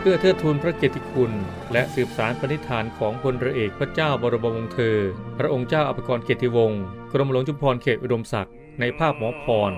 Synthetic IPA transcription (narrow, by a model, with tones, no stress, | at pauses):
pʰɯ˥˩ɐt̪ʰɯ˥˩t̪ʰːu˧npʰɾa˦˥keː˨˩t̪ʰːi˧kʰu˧n | lɛ˦˥ʔsɯː˨˩p̚saː˩˦npʰa˧ni˦˥t̪ʰːaː˩˦nkʰɔː˩˦ŋpʰo˧nɾa˧ʔeː˨˩k̚pʰɾa˦˥t͡ɕaː˥˩wbɔː˧ɾo˧ba˧wo˧ŋt̪ʰɤː˧pʰɾa˦˥ʔo˧ŋt͡ɕaː˥˩wʔa˨˩pʰːa˧kɔː˧nkʰeː˨˩t̪ʰːi˧wo˧ŋkɾo˧ma˧lo˩˦ŋt͡ɕʰu˧mpʰɔː˧nkʰeː˨˩t̪̚ʔu˧do˧msa˨˩k̚ | na˧jpʰaː˥˩p̚mɔː˩˦pʰɔː˧n